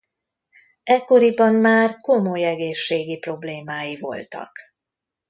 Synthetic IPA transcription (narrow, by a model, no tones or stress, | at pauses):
ɛkːo̞ɾibɒmmaːrko̞mo̞jɛɡeːʃːeːɡipro̞bleːmaːjivo̞̰lt̪ɒ̰k